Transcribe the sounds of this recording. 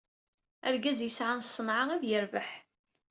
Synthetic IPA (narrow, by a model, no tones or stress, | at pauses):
æɾɡæzjəsʕansˤːənʕaæðjəɾvəħ